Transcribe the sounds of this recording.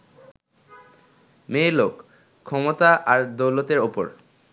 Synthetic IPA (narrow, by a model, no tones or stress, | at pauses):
melok | kʰːɔmot̪aʔaɾd̪owlot̪eɾopo̰ɾ